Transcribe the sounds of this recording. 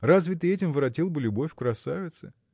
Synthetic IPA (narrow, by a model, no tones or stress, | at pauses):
razvʲɪt̪ɨɛtʲɪmvɨɾɐtʲilˠbɨlʲʊbo̞fʲkɾɐsavʲɪt̪sɨ